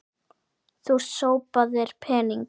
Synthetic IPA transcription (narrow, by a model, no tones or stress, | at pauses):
θuɾ̥soːwpaðɪɾ̥pʰɛːniŋk